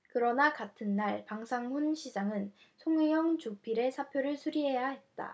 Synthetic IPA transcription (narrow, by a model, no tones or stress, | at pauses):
kɯɾʌnakatʰɯnːaɭpaŋsʰaŋɸunɕʰid͡ʑaŋɯn | sʰoŋɯjʌŋt͡ɕupʰiɾe̞sʰapʰjoɾɯɭsʰuɾiɦe̞jaɦe̞t̚t͈a̰